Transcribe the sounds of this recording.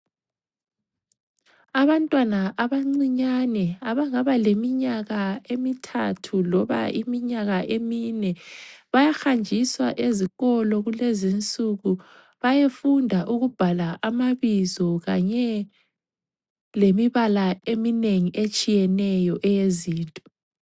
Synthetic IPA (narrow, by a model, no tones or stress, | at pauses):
aβantʼwanaʔaβaŋ͡ǀiɲanɛaβaŋaβalemiɲaɣaemitʰatʰulɔβa̰ḭmiɲaɣaʔeminɛβajaxand͡ʒʱiswaʔeziɣɔlɔɣulezint͡sʼuɣu | βajefundʱaʔuɣub̥ʱalaʔamaβizɔɣaɲɛ | lemiβalaemineŋiʔet͡ʃʼijɛnɛjɔʔɛjeziːntʼɔ̥